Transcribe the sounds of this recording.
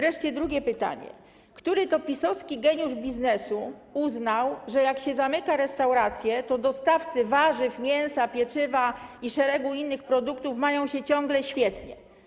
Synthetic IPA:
vɾɛʂt͡ɕɛd̪ɾuɡʲɛpɘt̪a̰ɲɛ̰ | kt̪uɾɘt̪ɔpʲisɔfskʲiɡɛɲuʐbʲiznɛsuuznawʐɛjakɕɛzamɘkaɾɛst̪awɾat̪sʲjɛt̪ɔd̪ɔst̪aft̪sɘvaʐɘvmʲjɛñsapʲjɛt͡ʂɘvaiʂɛɾɛɡuinːɘxpɾɔd̪ukt̪ufmajɔ̃w̃ɕɛt͡ɕɔ̃ŋɡlɛɕfʲjɛt̪ɲɛ̰

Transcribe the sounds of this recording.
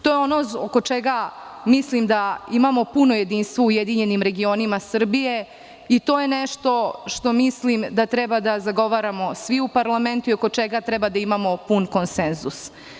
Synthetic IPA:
t̪o̞ːjeonooko̞t͡ʂeɡamislimd̪aimamo̞punoje̞d̪iːnst̪ʋoujed̪iɲe̞nimɾe̞ɡio̞nimasr̩bije̞ | it̪oje̞neʃt̪o̞ʃt̪o̞mislimd̪at̪ɾɛbad̪azaɡo̞ʋaːɾamo̞sʋiupaɾlˠame̞nt̪uioko̞t͡ʂeɡat̪ɾɛbad̪aimamo̞punko̞nsenzus

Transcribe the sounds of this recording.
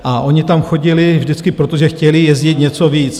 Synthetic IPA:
ʔaʔo̞ɲɪt̪amxo̞ɟɪlɪvʒdɪt͡skɪpɾot̪oʒɛxcɛlɪjɛzɟɪt̪ɲɛt͡soviːt͡s

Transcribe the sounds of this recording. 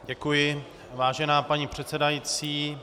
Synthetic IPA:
ɟɛkujɪ | vaːʒɛnaːpaɲipr̝̥ɛt̪t͡sɛdajit͡siː

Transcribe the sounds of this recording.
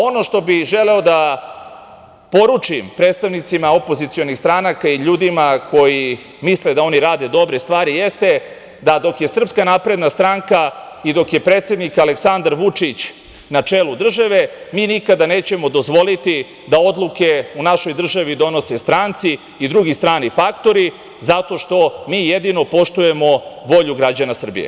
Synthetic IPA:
o̞no̞ʂt̪o̞biʒele̞o̞d̪a | po̞ɾut͡ʂimpɾe̞ːt̪st̪aʋnit̪simao̞po̞zit̪sio̞nixst̪ɾanakaiʎuːd̪imako̞ji | misled̪ao̞niɾaːd̪ed̪o̞bɾe̞st̪ʋaːɾijest̪e̞ | d̪ad̪o̞kje̞sr̩pskanapɾe̞d̪nast̪ɾaŋka | id̪o̞kje̞pɾeːt̪se̞d̪nikaleksand̪aɾʋut͡ʂit͡ɕ | nat͡ʂeːlˠud̪r̩ʒaʋe̞miːnikad̪aneːt͡ɕe̞mo̞d̪o̞zʋo̞lit̪i | d̪ao̞d̪lˠuke̞unaʃo̞jd̪r̩ʒaʋid̪o̞no̞sest̪ɾaːnt̪siː | d̪ɾuɡist̪ɾaːnifakt̪o̞ɾi | zat̪o̞ʂt̪o̞miːjed̪ino̞po̞ʂt̪uje̞mo̞ʋo̞ʎuɡɾad͡ʑanasr̩bḭjḛ

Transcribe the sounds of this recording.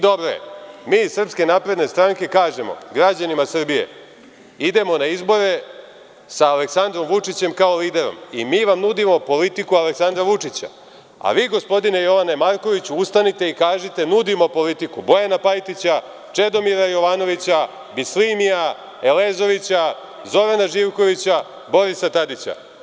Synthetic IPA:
d̪o̞bɾojḛmiːsr̩pske̞naːpɾe̞d̪ne̞st̪ɾaŋke̞kaːʒemo̞̰ɡɾad͡ʑanimasr̩bije̞̰ | id̪e̞mo̞naizbo̞ɾe̞ | saːleksand̪ɾo̞mʋut͡ʂit͡ɕe̞mkaoliːd̪e̞ɾo̞̰mimiːʋamnud̪imo̞po̞lit̪ikualeksand̪ɾaʋut͡ʂit͡ɕa̰ | a̰ʋiːɡo̞spo̞d̪ine̞jo̞ʋanemaɾko̞ʋit͡ɕuust̪anit̪e̞ikaːʒit̪e̞nud̪imo̞po̞lit̪ikubo̞janapajt̪it͡ɕa | t͡ʂe̞d̪o̞miɾajo̞ʋano̞ʋit͡ɕa | bislimija | e̞leːzo̞ʋit͡ɕa | zo̞ɾanaʒiːʋko̞ʋit͡ɕa | bo̞ɾisat̪ad̪it͡ɕa̰

